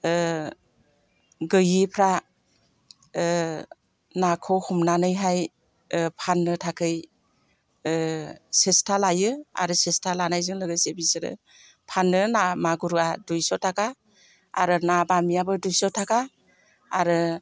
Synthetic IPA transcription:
ɡɯjipʰɾa | nakʰɔwhumnanɯjɦaj | pʰanːɯtʰakʰɯj | sestʰalajɯa̰ɾɯsestʰalanajzɯŋlɯɡɯjsebisɯɾɯ̰ | pʰanːɯnamaɡuɾɡadujsɔtʰaka̰ː | ɾɯnabamiabɯdujsɔtʰakaː | ɾɯ

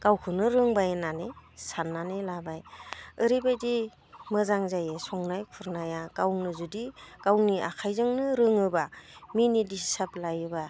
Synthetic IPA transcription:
ɡ̥awkʰɯnɯɾɯŋbajnanesanːanelabajɯɾibajdi | mɯzaŋzajesɔŋnajkʰuɾnajaɡ̥awnɯzudiɡ̥awnia̰kʰajzɯŋnɯɾɯŋɯbaminidisaplajɯba

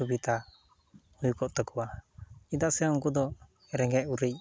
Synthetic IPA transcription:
ubit̪a | ujukɔʔt̪ɔkuwaid̪aʔsɛɔŋkud̪ɔ | ɛɾɛŋɡɛʔuɾec̚

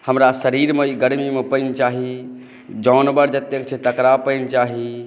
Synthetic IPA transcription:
həmɾasəɾiɾmeiɡəɾmimepənt͡ʃaɦi | d͡ʒɔnbəɾd͡ʒət̪jekt͡ʃʰɛt̪əkɾapəɪnt͡ʃaɦi

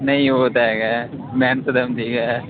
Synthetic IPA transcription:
nɐɦĩɦoːt̪aɦeːɡaːmɛːnsɐd̪ɐmd̪iːɡaː

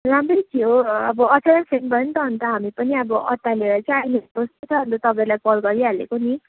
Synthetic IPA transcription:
ramrʌjt̪ʰioʌbʌʌt͡sʰaɾansʰenbʌɾʌnt̪ʌɦʌnt̪ʌɦamipʌniʌbʌʔʌ̰t̪ːaleɾʌt͡sajnepost̪ot͡sʰʌbʱʌnd̪at̪ʌpãĩlajkʌlɡʌɾiɦalḛkoni

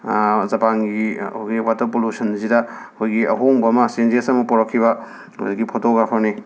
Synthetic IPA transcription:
zɐpaŋɡioɡiwatɐɾpolusɐnzidɐ | kʰojɡiʔɐɦoŋbɐːmɐsenzesɐmɐpɔɾɐkʰːiβɐ | o̰jdiɡipʰɔtoɡapʰane

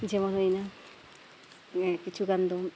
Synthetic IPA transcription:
d͡ʑemonɦojna | kit͡ɕʰukand̪om

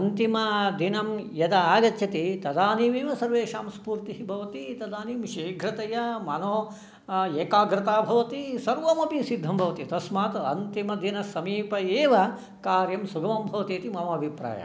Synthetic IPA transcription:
ɐnt̪imɐd̪inɐmjɐd̪ɐaːɡɐt̪jɐt̪it̪ɐd̪aːniːmeːʋɐsɐɾʋeːʃaːmspuːɾt̪iɦibʱɐʋɐt̪it̪ɐd̪aːniːmʃiːɡʱɾɐt̪ɐjɐmɐnoː | eːkaːɡɾɪt̪aːbʱɐʋɐt̪isɐɾʋɐmɐpisid̪ʱːɐmbʱɐʋɐt̪it̪ɐsmaːt̪ɐnt̪imɐd̪inɐsɐmiːpɐeːʋɐ | kaːɾjɐmsuɡɐmɐmbʱɐʋɐt̪eːt̪imɐmɐɐbʱipɾa̰ːjɐ̰

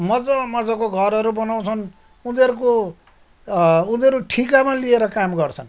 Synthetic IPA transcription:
mʌd͡zʌmʌd͡zʌkoɡʱʌɾɦʌɾubʌnaw̃t͡sʰʌn | unʌɾuko | unʌɾuʈʰikamalieɾʌkamɡʌrt͡sʰʌn

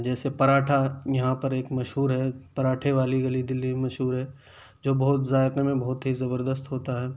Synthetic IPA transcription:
d͡ʒɛːsepɐɾaːʈʰajɐɦãpɐɾeːkmɐʃɦuːɾɦɛːpɐɾaːʈʰeʋaːliɡɐlid̪ɪlːimemɐʃɦuːɾɦɛː | d͡ʒoːbɐɦt̪zaːɪɾnemẽbɐɦʊt̪ɦizɐbəɾd̪əst̪ɦoːt̪aɦɛː

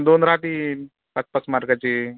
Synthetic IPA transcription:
d̪oːnɾaːt̪i | pɐspɐsmaɾkɐt͡ʃi

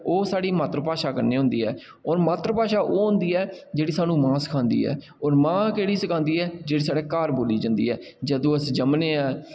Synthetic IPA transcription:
oːsaːɽiːmaːt̪ɾəpaːʃaːkəɾneːɦʊ̃nd̪iːɛ̰ː | ɔːɾmaːt̪ɾəpaːʃaːʔoːɦʊ̃nd̪iːɛːd͡ʒeːɽiːsaːnũːmãːsə̥kʰãːnd̪ḭːɛ̰ː | ɔːɾmãːkeːɽiːsəkãːnd̪iːɛːd͡ʒeːɽiːsaːɽeːkaːɾboːliːd͡ʒãːnd̪ḭːɦɛː | d͡ʒəd̪õːəsd͡ʒəmneːaː

